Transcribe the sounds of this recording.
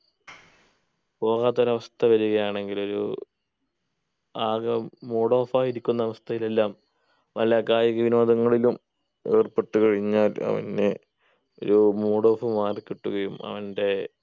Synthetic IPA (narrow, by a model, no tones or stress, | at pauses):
po̞ːɣaːt̪ːɐɾɐʋɐst̪ʰɐʋɐɾuɣɐjaːɳe̞ŋɡilo̞ɾṵ | aːɣɐmoːɽo̞ːfaːjiɾikʲːunːɐɐʋɐst̪ʰɐjile̞lːaːm | ʋɐlɐkaːjɐɣɐʋino̞ːd̪ɐŋːɐɭilum | e̞ːrpeʈːukɐɻiɲːaːlɐ̰ʋɐ̰ne | o̞̰ɾumoːɽo̞ːfɨmaːrkiʈːuɣɐjumɐ̰ʋɐnde̞